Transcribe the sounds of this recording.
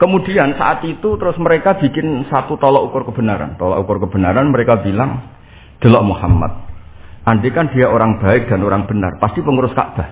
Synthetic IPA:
kəmud̥iansa̰ʔat̪it̪ut̪əɾʊsməɾekab̥i̤kɪnsat̪ut̪ɔlɔʔukʊrkəb̥ə̤naɾa̰nt̪ɔlɔ̰ʔukʊrkəb̥ə̤naɾanməɾekabilaŋ | d̪̥ə̤lɔʔmuhama̰t̪̚ | ʔandekandiaʔoɾaŋb̥a̤ɪk̚d̥anoɾaŋb̥ə̤na̰rpast̪ipəŋuɾʊska̰ʔb̥a̤h

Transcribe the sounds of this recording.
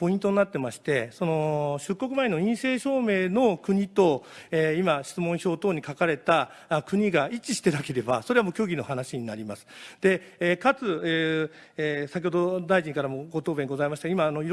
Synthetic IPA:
po̞ĩnt̪o̞ɲ̟inat̪ːe̞maɕi̥t̪e̞so̞no̞ɕɨkːo̞k̬ɯ̟maeno̞ĩɰ̃se̞ːɕo̞ːme̞ːno̞kɯ̟ɲ̟it̪o̞eimaɕi̥t͡sɨmõ̞ɰ̃ço̞ːt̪o̞ːɲ̟ikakaɾe̞t̪a | kɯ̟ɲ̟iɡait͡ɕiɕi̥t̪e̞nake̞ɾe̞ba̰so̞ɾeamo̞ːkʲo̞ːɡʲino̞hanaɕiɲ̟inaɾʲimasɨ̥d̪̥e̞ | kat͡sɨ | sakʲihod̪o̞d̪aiʑiɲikaɾamoɡo̞t̪oːbẽ̞ŋɡo̞zaimaɕi̥t̪ɡaimaːno̞iɾ

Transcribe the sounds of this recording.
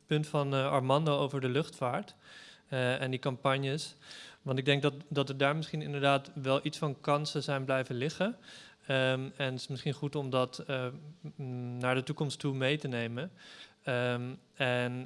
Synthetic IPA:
pɵntfɑnɑɹmɑndoowvəɹdəlɵχtfaːɹt | ɛndikɑmpɑɲjəsʋɑntɪɡ̚dɛŋɡ̚dɑdɑtəɹdaːɹmɪsχinɪ̰ndəɹdaːtʋɛlˠʔitsfɑnkɑnsəzɛjnblɛjvənlɪχə | ɛntɪsmɪsχinχutɔmdɑt | naːɹdətukɔmstumejtənejmən | ɛn

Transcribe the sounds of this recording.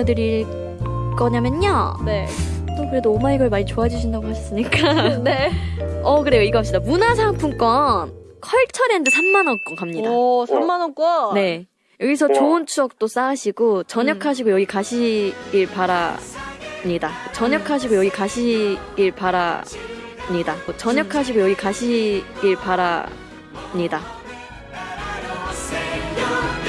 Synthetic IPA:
dɯɾiɭ | k͈ʌɲamjʌnɲonet͈okɯɾe̞doːmaniɡʌɭmaɲit͡ɕoad͡ʑuɕʰindaɡohaɕʰʌs͈ɯmɲik͈a | ʌkɯɾe̞joiɡʌɦap̚ɕ͈idamunasʰaŋpʰuŋk͈ʌn | kʰʌɭt͡ɕʰʌɾendesʰamːanʌnk͈ʌnkamɲidasamːanʌnk͈ʌne̞ | jʌɡisʰʌt͡ɕoɯnt͡ɕʰuʌk̚t͈os͈aːɕʰiɡot͡ɕʌɲʌkʰaɕ̬ʰiɡojʌɡikaɕʰiɡiɭpaɾa | mɲidat͡ɕʌɲʌkʰaɕ̬ʰiɡojʌɡikaɕʰiɡ̥iɭpaɾa̰ | mɲidamot͡ɕʌɲʌkʰaɕ̬ʰiɡojʌɡikaɕʰiɡiɭpaɾa | mɲida

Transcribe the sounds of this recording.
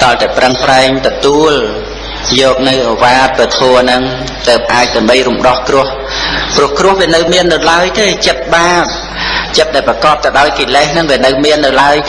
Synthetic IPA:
ɗɑlt̪aɛprəŋpraɛŋt̪ɔt̪uəl | jɔːk̚nɨwʔoʋaːt̪̚pət̪ʰoənɨŋ | t̪əːp̚ʔaːc̚ɗ̪ɨəmɓəjrumɗɑhkrʊ̆əh | prʊ̆əhkrʊ̆əhʋiənɨwmiənːɨwlaəjt̪eːt͡ɕət̪̚ɓaːp̚ | t͡ɕət̪̚ɗaɛlprɑkɑːp̚t̪ɑɗaɔjkiːlɛhnɨŋʋiənɨwmiənːɨwlaəj

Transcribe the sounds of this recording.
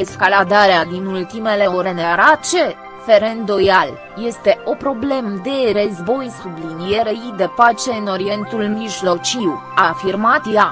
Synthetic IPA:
e̞skalad̪aɾead̪inult̪ime̞le̞oɾeneaɾat͡ʃe̞ | fe̞ɾend̪o̞jal | je̞st̪e̞ʔo̞pɾo̞ble̞məd̪e̞rəzbo̞jsublinije̞ɾeid̪e̞pat͡ʃe̞ɨno̞ɾije̞nt̪ulmiʒlo̞t͡ʃiw | afirmat̪ja

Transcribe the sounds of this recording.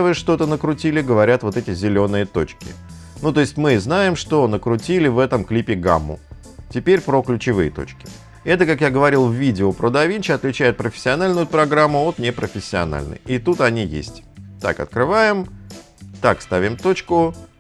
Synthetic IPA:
vɨʂt̪o̞t̪ənəkɾʊtʲilʲɪɡəvɐɾʲat̪vo̞t̪ɛtʲɪzʲɪlʲo̞nɨjət̪o̞t͡ɕkʲɪ | nut̪o̞ɪsʲtʲmɨznajɪmʂt̪o̞nəkɾʊtʲilʲɪvɛt̪əmklʲipʲɪɡa̰mːʊ̰ | tʲɪpʲeɾʲpɾoklʲʉt͡ɕɪvɨjət̪o̞̰t͡ɕkʲɪ̥ | ɛt̪əkakjaɡəvɐɾʲilˠvʲidʲɪopɾəd̪ɐvʲinʲt͡ɕɪɐt̪lʲɪt͡ɕæjɪt̪̚pɾəfʲɪ̥sʲːɪɐnalʲnʊjʊpɾɐɡɾamːʊot̪nʲɪpɾʔəfʲɪsʲːɪɐ̰na̰lʲnə̰jɪt̪ut̪ɐnʲijḛsʲtʲt̪a̰kɐ̰t̪̚kɾɨvajɪm | t̪akst̪avʲɪmt̪o̞t͡ɕkʊ

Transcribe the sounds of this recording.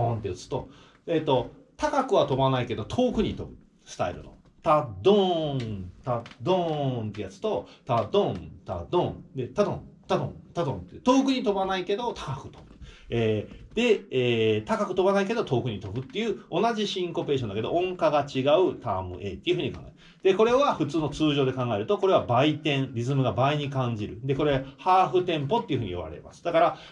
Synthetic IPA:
õnt̪eɯt͡sɨ̥t̪o̞ | et̪o̞t̪akakɯ̟βat̪o̞banaike̞d̪o̞t̪ʰo̞ːkɯ̟ɲ̟it̪o̞̰bɯ̟ | sɨ̥t̪a̰ḭɾɯ̟no̰ | t̪ad̪õ | t̪ad̪õnt̪ejat͡sɨ̥t̪o̞t̪ad̪õnt̪a̰d̪õnd̪e̞t̪ad̪õ̰t̪ad̪õnt̪ad̪õnt̪et̪o̞ːkɯ̟ɲ̟it̪o̞banaike̞d̪o̞t̪ʰḁkakɯ̟̥t̪obɯeːd̪e̞eːt̪akakɯ̟t̪o̞banaike̞d̪o̞t̪o̞ːkɯ̟ɲ̟it̪o̞bɯ̟t̪ːe̞jɯ̟ːo̞naʑiɕĩŋko̞pe̞ːɕõnd̪akeoʔõ̞ŋkaɡat͡ɕiɡaɯ̟t̪amɯ̟̰ʔe̞t̪ːeiɯ̟ɯ̟ɲ̟ikãŋɡaeɾ | d̪̥e̞ko̞ɾe̞βaɸɯ̟t͡sɨːno̞t͡sɨːʑo̞ːd̪e̞kãŋɡae̞ɾɯ̟t̪o̞ko̞ɾe̞βabait̪ẽ̞ɴɾʲizɨmɯ̟ɡabaiɲ̟ikãɲ̟d͡ʑiɾɯ̟d̪eko̞ɾe̞ahaːɸɯ̟t̪ẽ̞mpo̞t̪ːeiɯ̟ɸɯ̟ɲ̟ijoβa̰ɾe̞̰ma̰sɨ̥d̪akaɾa

